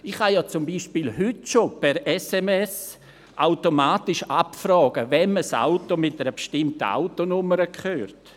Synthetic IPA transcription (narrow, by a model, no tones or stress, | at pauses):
ɪχhajɑːt͡sʊmbiːʃpiːlɦʏtʃopɛɾɛsɛmɛs | ʔaʊtomaːtɪʃapfrɔːɡ̥əvɛnməsa̰ʊtomɪt̚əɾəbʃtɪmtəa̰ʊtonʊməɾəkχøːrt